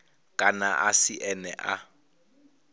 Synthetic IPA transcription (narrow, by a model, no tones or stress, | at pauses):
kʼanaʔasiʔɛnɛ̰ʔa